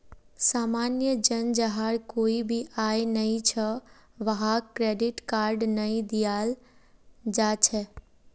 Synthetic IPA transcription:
saːmanjəd͡ʒənd͡ʒəɦaɾkoːibʱiʔajnəĩt͡ʃʰəʋəɦakɾeɖɪʈkaɾɖnəĩd̪ijal | d͡ʒat͡ʃʰɛ

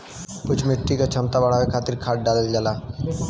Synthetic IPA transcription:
pʊt͡ʃʰmɪʈːikat͡ʃʰɐmt̪abɐɽ̤awekʰaːt̪ɪɾkʰaːʈ̚ɖaːləld͡ʒaːlaː

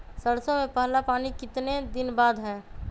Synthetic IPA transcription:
səɽsõmẽpəɦlapaːnikɪt̪ned̪ɪnbaːd̪ɦɛ̃ː

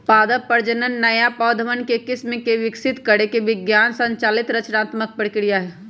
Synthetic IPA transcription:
paːd̪əpəɾd͡ʒənənːəjapəːd̪ʱəʋənkekɪsmekeʋɪksɪt̪kəɾekeʋɪɡjaːnsə̃ɲt͡ʃalit̪ɾət͡ʃnaːt̪mək̚pɾəkɾijaɦɛ

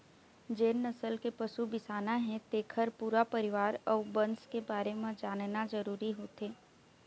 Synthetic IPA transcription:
d͡ʒeːnnəsəlkepɐʃubɪsaːnaɦɛ̃t̪eːkʰəɾpuːɾapəɾɪʋaːɾɔːbɐ̃nskebaːɾemãd͡ʒaːnnazəɾuːɾiɦoːt̪eː

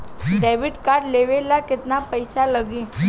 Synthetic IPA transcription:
ɖɛʋiɖkaɽleʋelaket̪napəjsaləɡĩ

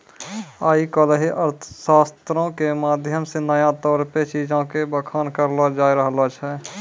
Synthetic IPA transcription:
aːikəlɦiʔəɾt̪ʰə̥ʃaːst̪ɾõkemaːd̪ʱjəmsenəjãt̪ɔːɾpet͡ʃiːd͡ʒõkebəkʰaːnkəɾlad͡ʒaːiɾəɦlat͡ʃʰɛː

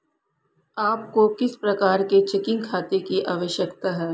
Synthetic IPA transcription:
aːp̚kokɪspɾɐkaːɾket͡ʃɛkɪ̃ŋɡkʰaːt̪ekiʔaːʋəʃjəkt̪aɦɛː

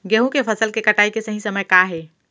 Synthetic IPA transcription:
ɡeɦũkepʰəsəlkekəʈaːikesəɦĩsəməjkaɦe

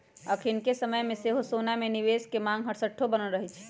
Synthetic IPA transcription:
əkʰɪnkesəməjmẽseɦosoːnameniʋeːskemãːŋɡɦəɾsəʈʰːobənəlɾəɦɛt͡ʃʰɛ̥

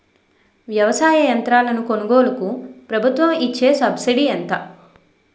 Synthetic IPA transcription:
ʋjɐʋɐsaːjɐjɐnt̪ɾaːlɐnuko̞nuɡoːlɐkupɾɐbʱut̪ʋɐmit͡ʃːe̞ːsɐbsiɽiɐnt̪ɐ

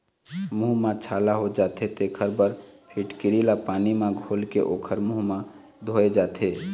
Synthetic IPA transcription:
muɦmãt͡ʃʰaːlaɦod͡ʒaːt̪ʰet̪eːkʰəɾbəɾpʰiʈkɪɾilapaːnimãɡʱoːlkḛʔoːkʰəɾmuɦmã | d̪ʱoed͡ʒaːt̪ʰeː

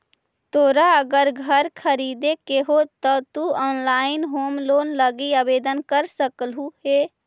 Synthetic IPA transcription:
t̪oɾaəɡəɾɡʱəɾkʰəɾid̪ekeɦot̪ɔt̪uɔːnlaɪnɦoːmlonləɡiəbed̪ənkəɾsəklɦuɦe

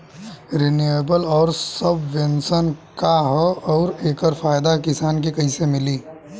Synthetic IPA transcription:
ɾɪnieːbəlɔːɾsəbʋensənkaɦɔɔːɾeːkəɾfaːjd̪akɪsaːnkikɐĩsemɪliː

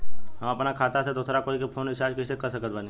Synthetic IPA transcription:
ɦɐmɐpnakʰaːt̪ased̪osɾakoːikepʰoːnɦɪsaːd͡ʒkɪsekəɾsəkət̪̚bʱaːni

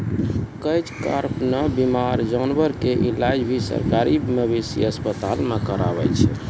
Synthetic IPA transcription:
kəjt͡ʃka̰ɾpnəbimaɾd͡ʒanbəɾkeʔilad͡ʒbʱisə̰ɾkaɾimebisḭəspət̪alnəkəɾa̰bɛ̰t͡ʃʰɛ

